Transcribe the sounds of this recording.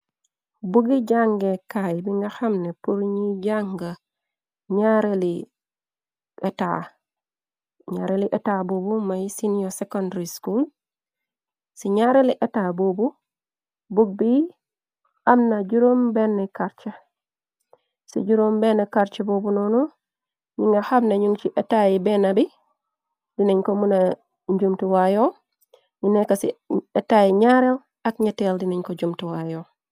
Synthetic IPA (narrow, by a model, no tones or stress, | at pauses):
buɡiɟaŋɡekajbiŋɡaxamnepuɾɲiɟaŋɡa | ɲaɾeli | eta̰ | ɲaɾeliʔetabubumajsinijosekondɾiskul | siɲaɾeliʔetaːbobu | buɡ̚bi | amnad͡ʒuɾombenːekaɾt͡ʃe | sḭɟuɾombenːekaɾt͡ʃebobunonu | ɲiŋɡahabnaɲuŋt͡ʃiʔetajibenabi | dineɲkomuna | ɲd͡ʒumtuwajo | ɲinekasietajiɲaɾel | akɲateldinaɲkod͡ʒumtuwajo